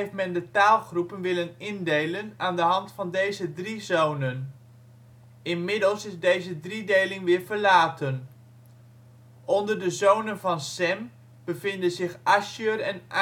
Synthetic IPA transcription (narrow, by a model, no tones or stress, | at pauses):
ejftmɛndətaːlˠχrupənʋɪlənɪndejlənaːndəɦɑntfɑndejzədrizownən | ɪnmɪdəlˠsɪzdejzədridejlɪŋʋɪːɹvəɹlaːtən | ɔndəɹdəzownənvɑnsɛm | b̥əvɪndənzɪχaʃøɹɛnʔ